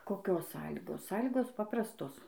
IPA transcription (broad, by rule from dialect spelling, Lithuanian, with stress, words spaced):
koːˈkʲoːs ˈsɑːlʲiːɡoːs ˈsɑːlʲiːɡoːs ˈpɑːprɐstoːs